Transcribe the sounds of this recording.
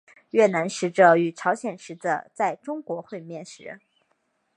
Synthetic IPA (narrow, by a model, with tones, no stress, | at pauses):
ɥɛ˥˩na˧˥nʂɻ̩˧˥ʈ͡ʂə˧˩y˨˩ʈ͡ʂʰɑ˧˥ʊɕjɛ˨˩nʂɻ̩˧˥də̰˧˩t͡sa˥˩ɪʈ͡ʂʊ˥ŋkwɔ˧˥xwe˥˧ɪmjɛ˥˩nʂɻ̩˧˥